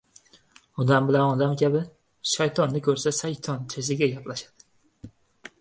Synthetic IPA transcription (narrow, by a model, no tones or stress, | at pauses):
ɒd̪ambɪlanɒd̪amkʲʰabɪ | ʃajt̪ʰɒnːɪkʲʰɵɾsaʃajt̪ʰɒnt̪ʰɪsɪɡʲaɡʲaplaʃad̪̥ɪ